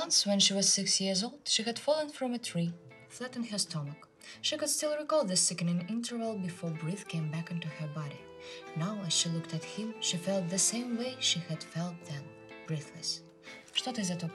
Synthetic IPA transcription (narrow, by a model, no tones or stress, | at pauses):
ʌ̃nswɛ̃nʃiwʌz̥sɪksjiɹzoʊlˠd̥ʃihɨd̥fɔlˠə̃nfɹʌ̃mɨtʰɹ̥i | θlɛɾɪ̃ŋhə˞stʰɔmək | ʃikʊd̥stɪlˠɹikɔlðɨsɪkɨ̃nɪ̃nɪ̃ntʰə˞vlˠbɨfɔɹbɹiθkʰẽɪ̃mbækɪ̃ntuə˞bɑɾi | naʊɨz̥ʃilʊktɨt̚hɪ̃mʃifɛlˠt̪̚ðɨsẽɪ̃mweɪʃihɨd̥fɛlˠt̪̚ðɨ̃m | bɹiθlɨs | ʃtɔɾɨzɨtɔ